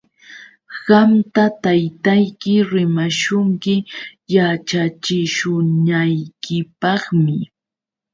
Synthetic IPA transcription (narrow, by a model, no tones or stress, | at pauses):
ɢamt̪at̪ajt̪ajkɪɾɪmaʃʊŋkɪjat͡ʃat͡ʃɪʃʊnajkɪpɑχmɪ